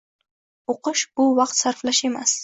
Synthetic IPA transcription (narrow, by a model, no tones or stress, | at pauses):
oqɨʃbʊvɑqt̪saɾflaʃe̞mas